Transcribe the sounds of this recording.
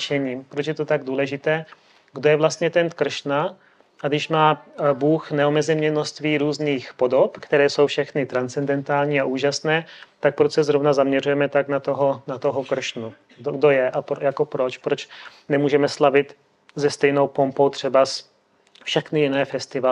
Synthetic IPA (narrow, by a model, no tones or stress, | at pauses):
ʃɛɲiːmpɾot͡ʃjɛt̪ot̪aɡ̚duːlɛʒɪt̪ɛː | ɡdojɛvlast̪ɲɛt̪ɛnt̪kr̩ʃna | ʔadɪʃmaːbuːxnɛomɛzɛmɲɛnost̪viːɾuːzniːxpo̞dopkt̪ɛɾɛːso̞wfʃɛxnɪt̪ɾant͡sɛndɛnt̪aːlɲiːaʔuːʒasnɛːt̪ak̚pɾosɛzɾovnazamɲɛrujɛmɛt̪aknat̪oɦonat̪oɦokr̩ʃnu | oɡdojɛʔapɾjako̞pɾo̞t͡ʃpɾot͡ʃ | nɛmuːʒɛmɛslavɪt̪ | zɛst̪ɛjno̞wpo̞mpowt̪r̝̥ɛbas | fʃɛxnɪjɪnɛːfɛst̪ɪva